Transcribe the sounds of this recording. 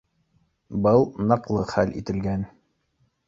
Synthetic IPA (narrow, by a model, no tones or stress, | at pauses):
bɤlˠnɑqlˠɤχælḭt̪ɘ̆lɡæn